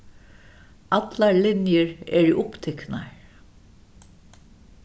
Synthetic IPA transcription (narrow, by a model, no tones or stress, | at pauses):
ɑt̪laɹlɪnjəɹɛ̰ɹiʔʊpt̪ʰɛknaɹ